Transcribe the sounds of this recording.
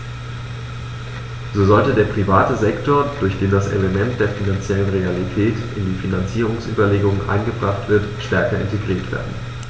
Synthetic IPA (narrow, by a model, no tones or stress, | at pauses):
zoːzɔltədeːɐpʁ̥ivaːtəzɛktoːɐd̥ʊɐçd̥eːmdasʔḛləmɛntd̥eːɐfinant͡sjɛlənʁealitʰɛːtʔɪndiːfinant͡siːʁ̞ʊŋsʔy̰ːbɐleːɡʊŋənʔa̰ɪnɡəbʁaχtv̥ɪɐtʃtɛɐkɐɪ̰nteɡʁiːɐtv̥ḛːɐdn̩